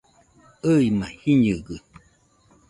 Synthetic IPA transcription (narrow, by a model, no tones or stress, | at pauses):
əimãhiɲɨɡɨ